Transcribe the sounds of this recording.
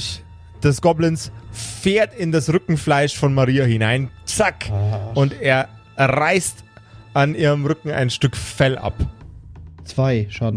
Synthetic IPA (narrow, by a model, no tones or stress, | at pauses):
d̥ɛsɡ̥ɔblənsfeːɐtɪndasʁʏkŋ̩flaɪʃfɔnmaʁiːahɪnaɪnt͡sakʊnteːɐ | ʁaɪst | ʔanʔiːʁəmʁʏkŋ̩a̰ɪnʃtʏkfɛlʔa̰p | t͡sv̥aɪʃaːdn̩